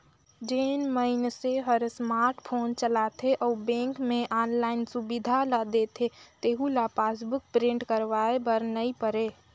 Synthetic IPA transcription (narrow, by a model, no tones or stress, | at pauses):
d͡ʒeːnməɪnseɦəɾsmaːɾʈpʰoːnt͡ʃəlat̪ʰeʔɔːbẽːŋkmẽʔaːnlaːɪnsubid̪ʱalad̪et̪ʰet̪eːɦulapasbʊk̚pɾẽɳɖkəɾʋaebəɾnəipəɾe